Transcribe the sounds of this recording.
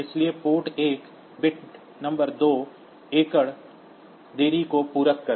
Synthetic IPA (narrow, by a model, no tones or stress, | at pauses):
ɪsliepoːʈeːk | bɪʈ | nɐ̃mbəɾd̪oː | eːkəɽ | d̪eːɾikopuːɾəkkɐɾ